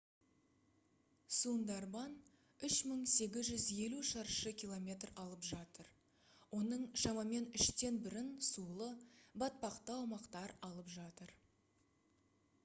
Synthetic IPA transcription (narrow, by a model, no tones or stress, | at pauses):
sund̪ɑɾbɑn | ʏʃməɴse̞ɡʲɪzʒʏzje̞luʃɑɾʃəkʲilˠo̞mʲe̞t̪rɑlˠəpʒɑt̪əɾ | wo̞nəɴʃɑmɑme̞nʏʃt̪e̞nbɪɾɪnsulˠəbɑt̪̚pɑqt̪əɑwmɑqt̪ɑɾɑlˠəpʒɑt̪əɾ